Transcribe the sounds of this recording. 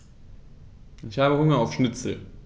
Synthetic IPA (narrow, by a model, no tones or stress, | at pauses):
ɪçhaːbəhʊŋɐaʊfʃnɪt͡sl̩